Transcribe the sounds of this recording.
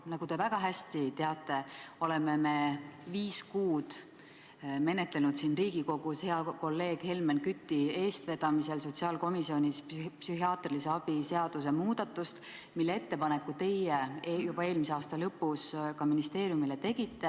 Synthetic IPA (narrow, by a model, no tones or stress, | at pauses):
nɑɡ̥ut̪e̞væɡ̥ɑɦæsʲt̪it̪e̞ɑt̪ːˑe̞o̞le̞me̞me̞viːskuːd̪̥ | me̞ne̞t̪le̞nud̪siːnriːɡ̥iko̞ɡ̥ushe̞ɑko̞lːe̞ːɡ̥he̞lmenkyt̪ːie̞ːst̪ve̞d̪̥ɑmise̞lso̞t̪siɑːlko̞misio̞nʲisppsyɦiɑːt̪rilise̞ɑb̥ise̞ɑd̪̥us̬e̞muːd̪̥ɑt̪ːˑust̪ | milːee̞t̪ːe̞pɑnekːˑut̪e̞jejub̥ɑe̞ːlmiseɑːst̪ɑlɤpːuskɑminist̪e̞ːɾjumile̞t̪e̞ɡ̥it̪ːe